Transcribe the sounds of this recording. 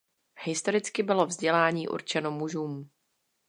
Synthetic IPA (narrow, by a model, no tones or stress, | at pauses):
hɪst̪o̞ɾɪt͡skɪbɪlo̞vzɟɛlaːɲiːʔṵɾt͡ʃɛno̞muʒuːm